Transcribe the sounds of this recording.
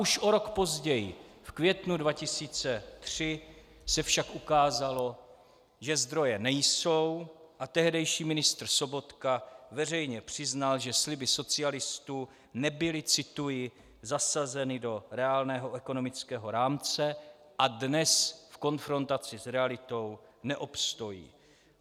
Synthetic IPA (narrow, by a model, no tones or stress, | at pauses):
uʃʔo̞ɾo̞kpo̞zɟɛjɪfkvjɛt̪nudvacɪsiːt͡sɛt̪r̝̥ɪ | sɛfʃakʔukaːzalo̞ | ʒɛzd̪ɾo̞jɛnɛjso̞wʔat̪ɛɦdɛjʃiːmɪnɪst̪r̩so̞bo̞t̪kavɛrɛjɲɛpr̝̥ɪznalʒɛslɪbɪso̞t͡sɪalɪst̪uː | nɛbɪlɪt͡sɪt̪ujɪ | zasazɛnɪdo̞ɾɛaːlnɛːɦo̞ʔɛko̞no̞mɪt͡skɛːɦo̞ɾaːmt͡sɛ | ʔadnɛsfko̞nfɾo̞nt̪at͡sɪsɾɛalɪt̪o̞wnɛʔopst̪o̞jḭː